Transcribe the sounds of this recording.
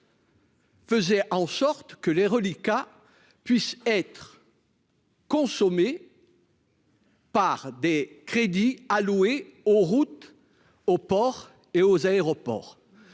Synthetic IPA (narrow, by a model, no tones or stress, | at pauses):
fəzɛʔɑ̃sɔʁt̪kəleʁəlika | pɥisɛt̪χ | kɔ̃sɔme | paʁd̪ekχed̪ialueoʁut̪ | opɔʁ | eozaeʁɔpɔ̰ːʁ